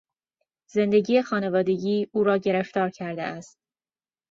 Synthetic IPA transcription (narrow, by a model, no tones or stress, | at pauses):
ze̞nd̪e̞ɟiːjexɒːne̞vɒːd̪e̞ɟiːuːɾɒːɟe̞ɾe̞ft̪ɒːɾcʰæɾd̪ḛæst̪̚